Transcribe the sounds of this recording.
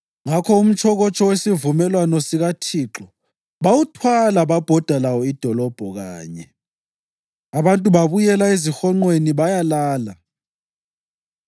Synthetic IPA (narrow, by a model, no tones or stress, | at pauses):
ŋakʰɔum̩t͡ʃʰʼɔɣɔt͡ʃʼɔwesivumɛlwanɔsiɣatʰiːǁɔ | βawutʰwalaβab̥ʱɔd̥ʱalawɔid̥ʱɔlɔb̥ʱɔɣa̰ːɲɛ | aβantʼuβaβujɛlaezixɔŋ͡ǃweniβajalaːla